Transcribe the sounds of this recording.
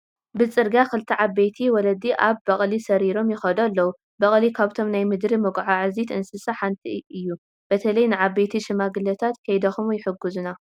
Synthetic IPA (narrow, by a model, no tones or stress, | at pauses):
bɨt͡sʼɨɾɡakɨlt̪ʰiʕabːejt̪ʰiwɔlɐd̪iʔaβːɐχʼlisɐɾiɾo̞mjɪxɐd̪olːɐwu | bɐχʼlikʰaβt̪ʰo̞mnajmɨd̪ɾimɐɡʕaʕɨzit̪ʰɨnsɨsɐħant̪ʰiɨjːu | b̥ɐt̪ʰɐlɐjnɨʕaβejt̪ʰiʃɨmaɡɨlɐt̪ʰat̪kʰɐjd̪ɐxumjɪħɨɡuzuna